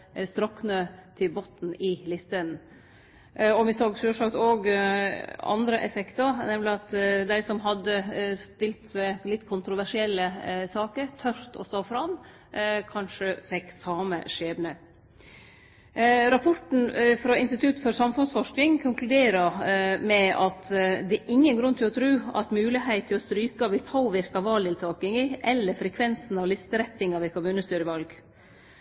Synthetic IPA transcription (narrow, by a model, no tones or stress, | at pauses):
st̪ɾɔkːnøːt̪ʰɪlbot̪n̩ɪlɪst̪ən | ɔmɪsoːɡsøːʂɑkt̪oːɡ | ɑ̰nd̪ɾəʔɛfɛkt̪ɑɾnɛmlɪɑt̪d̪æɪsɔmɦɑd̪ːəst̪ɪlt̪mɛlɪt̪ːkʰʊnt̪ɾʊʋæʂɪɛlːəsɑːkəɾt̪ʰœɾt̪ɔ̰st̪oːfɾɑm | kʰɑnʂəfɛkːsɑːmə̰ʂeːbnə | ɾɑpʰɔʈn̩fɾɑɪnst̪ɪt̪ʰʉt̪fɔɾsɑmfʉnsfɔʂknɪŋkʰʊŋklʉd̪eːɾəmɛɑt̪d̪ɛʔɪŋːənɡɾʉnːt̪ʰɪlɔt̪ʰɾʉːɑ̰t̪mʉːlɪhæɪt̪ʰːɪlɔst̪ɾyːkɑʋɪlpʰoːʋɪɾkɑʋɑːld̪ɪlt̪ʰɑːkɪŋɪʔɛlːəfɾɛkʰʋɛnsn̩ɑʋlɪst̪əɾɛt̪ːɪŋɑʋɪkʰʊmʉːnəst̪yːɾəʋɑlɡ